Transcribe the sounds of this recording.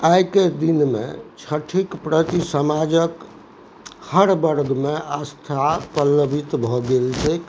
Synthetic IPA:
ajked̪inmḛt͡ʃʰəʈʰikpɾət̪isəmad͡ʒək | həɾbəɾɡmeast̪ʰapəlːəbʱit̪bʱɔɡelt͡ʃʰɛk

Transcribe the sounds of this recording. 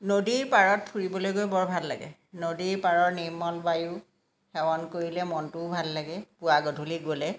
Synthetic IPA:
nodiɹpaɹɔt̚pʰuɹibɔlojɡojbɔɹbʱalːa̰ɡɛ̰nodiɹpaɹɔɹnimɔlbaju | xɛwɔnkoɹilɛmɔntʊbʱalːaɡɛpʊaɡɔdʱuliɡolɛ

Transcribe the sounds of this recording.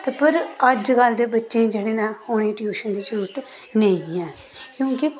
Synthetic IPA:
t̪pəɾəd͡ʒɡəld̪eːbətːʃẽːd͡ʒeːɽeːnãːhoːɽ̃iːʈjuːʃənd̪iːd͡ʒəɾuːɾʈ̪ | nəĩːɛ̃ː | kjõːkɪ

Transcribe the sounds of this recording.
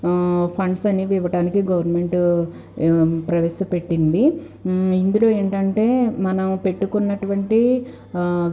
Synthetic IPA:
pʰɐɳɖsɐnːiʋiʋɐɽaːnikiɡɐʋɐɾnme̞ɳʈ | pɾɐʋesupe̞ʈːind̪i | ind̪ulo̞ːe̞ːɳʈɐɳʈe̞ːmɐnɐmpe̞ʈːukunːɐʈuʋɐɳʈi

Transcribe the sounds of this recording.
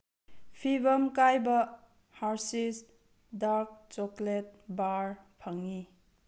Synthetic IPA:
pʰibəmkajbɐ | haɾsis | daɾk̚t͡ʃɔklet̚baɾpʰaŋi

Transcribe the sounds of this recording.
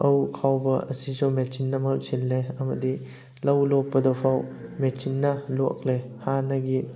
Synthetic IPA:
ɐwkʰawbɐɐsizɔwmet͡ʃinːɐmɐlsilːeɐmɐdi | lɐwlɔp̚pːɐdɐpʰawmet͡ʃinːɐlo̰k̚lehanɐɡi

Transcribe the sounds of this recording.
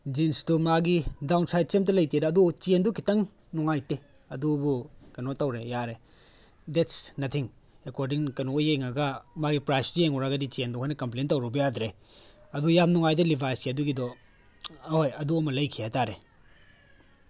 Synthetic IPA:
d͡ʒinstumaɡidawnsajt̚t͡ʃemtɐlɐjtedɐːdut͡ʃendukʰitɐŋ | nuŋajte | ɐdubukɐnotawɾejaɾe | dɛtsnɐtʰiŋ | ekoɾdiŋkɐnojeŋaɡɐmaɡipɾajsdujeŋɔɾaɡɐdit͡ʃiendɔɦɔjnɐkɐmp̬lentawɾubɐjadɾe | ɐdujamnuŋajdɐlibʱajsiaduɡidɔ | ojɐduɐmɐlɐjkʰijataɾe

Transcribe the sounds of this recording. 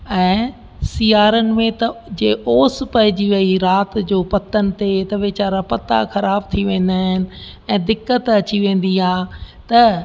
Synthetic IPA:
ɛ̃ː | siːaːɾənɪ̆mẽt̪ɐd͡ʑeːʔoːspɐɦɪd͡ʑiʋɐiɾaːt̪d͡ʑoːpɐt̪ːənɪ̆t̪et̪ɐʋeːt͡ɕaːɾapɐt̪a̰xɐɾaːb̚t̪ʰiʋẽːn̆d̪aːɦɪnɪ̆ | ɛ̃ːd̪ɪkət̪ɐt͡ɕiʋẽːn̆d̪iɦaːt̪ɐ

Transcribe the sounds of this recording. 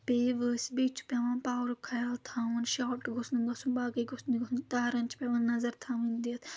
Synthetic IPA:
peːʋəːsibeːt͡ʃʰu̥pʲeːʋãːnpaːwɾkʰɐjaːlt̪ʰãːʋɐnʃaːʈɡosnuɡɐsunbaːɡɐjɡosniɡosnt̪aːɾɐnʲt͡ʃpʲeʋãːnːɐzɐɾt̪ʰãːʋɨnd̪iːt̪ʰ

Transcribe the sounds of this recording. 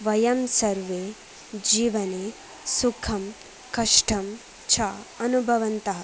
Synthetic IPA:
ʋɐjɐmsɐɾʋeː | d͡ʒiːʋɐne | sukʰɐm | kɐʂʈʰɐm | t͡ʃʰaːɐnubʱɐʋɐnt̪ɐɦɐ

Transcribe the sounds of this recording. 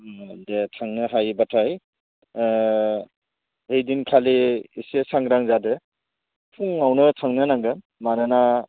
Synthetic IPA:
detʰaŋnɯɦajbatʰaj | hejdinkʰaliːsesaŋɾaŋzadɯ | pʰuŋawnɯtʰaŋnɯnaŋɡɯ | manɯna

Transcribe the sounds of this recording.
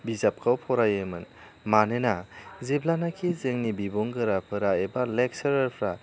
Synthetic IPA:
bizap̚kʰawpʰɔɾajemɯn | manenazeblanakʰizeŋnibiboŋɡɯɾapʰɯɾaebalek̚sɐɾɐɾpʰɾa

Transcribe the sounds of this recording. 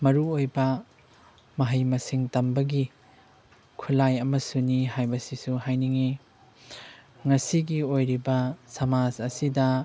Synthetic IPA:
mɐɾuojbɐ | mɐɦɐjmɐsiŋtɐmbɐɡi | kʰulajɐmɐsuniɦajbɐsisuhajniŋi | ŋɐsiɡiojɾibɐsɐmad͡ʒɐsidɐ

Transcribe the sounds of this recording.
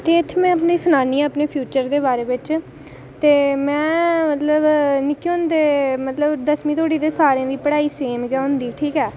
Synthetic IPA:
t̪eːɪt̪ʰːemɛ̃ːəpniːsʊnaːniːɛ̃ːəpneːpʰjuːt͡ʃəɾd̪eːbaːɾeːbɪt͡ʃ | t̪eːmɛ̃ːmət̪ləbnɪkːiõnd̪eːmət̪ləbd̪əsmĩːt̪ʰoːɽiːd̪eːsaːɾẽːd̪iːpəɽaːiːseːmɡaːɦʊnd̪iːʈʰiːkɛː

